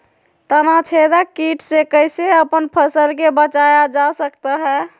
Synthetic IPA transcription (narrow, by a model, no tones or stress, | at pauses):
t̪ənat͡ʃʰed̪akiʈʰsekəjseəpənpʰəsəlkebət͡ʃajad͡ʒasəkt̪əɦɛ